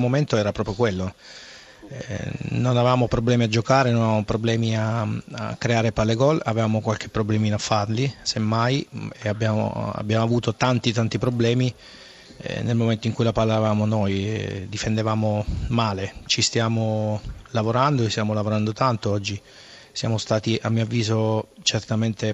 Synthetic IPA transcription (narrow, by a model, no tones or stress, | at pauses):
moment̪oɛːɾapɾɔːpɾjokwelːo | nonavevaːmopɾoblɛːmiad͡ʒokaːɾenonaevamopɾoblɛːmiaa̰kːɾeaːɾepalːeɡɔlavevaːmokwalk̟epːɾoblɛːminafːarlisemːajeabːjaːmo̰a̰bːjaːmoavuːt̪ot̪ant̪it̪ant̪ipɾoblɛːmḭ | nelmoment̪oiŋkujlapalːavaːmonɔjd̪ifend̪evaːmomaːlet͡ʃist̪jaːmolavoɾand̪oest̪jaːmolavoɾand̪ot̪ant̪oɔd͡ʒːi | sja̰ːmost̪aːt̪iʔamːioavːiːzot͡ʃert̪ament̪e